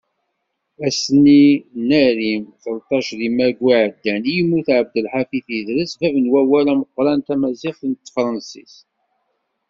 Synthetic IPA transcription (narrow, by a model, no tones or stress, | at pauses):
æsəninæɾimθəlt̪ˤːɑʃðimæɡwiʕəd̪ːænjəmːuθʕəb̚d̪əlħafiθiðɾəsvævənwæwælæməqːɾˤɑnt̪æmæziχθənt̪ːfɾˤɑnsḭs